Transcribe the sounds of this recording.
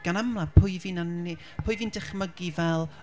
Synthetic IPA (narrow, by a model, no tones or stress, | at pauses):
ɡ̥anamlˠapʰʊɨviːnanːi | pʰʊːɨviːndɪχməɡivɛlˠ